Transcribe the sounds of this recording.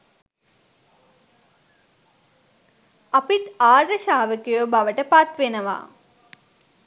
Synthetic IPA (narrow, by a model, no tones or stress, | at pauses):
ɐpit̪aːɖəʃaːʋəkujobaʋəʈəpat̪ʋenəʋa̰ː